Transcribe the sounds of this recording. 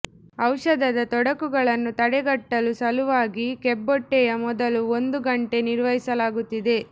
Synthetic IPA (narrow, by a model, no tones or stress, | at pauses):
ɐwʂɐd̪ɐd̪ɐt̪ɔɽɐkuɡɐɭɐnːut̪ɐɽɛɡɐʈːɐlusɐluʋaːɡikebːɔʈːɛjɐmɔd̪ɐluond̪uɡɐɳʈe̞niɾʋɐɦisɐlaːɡut̪ːid̪e̞